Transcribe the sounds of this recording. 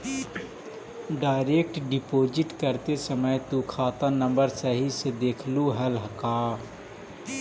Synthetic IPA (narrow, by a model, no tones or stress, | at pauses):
ɖaːɪɾeːk̚ʈɖɪpoːd͡ʒɪʈkəɾt̪esəməjt̪ukʰaːt̪anə̃mbəɾsəɦised̪eːkʰluɦəlɦəkaː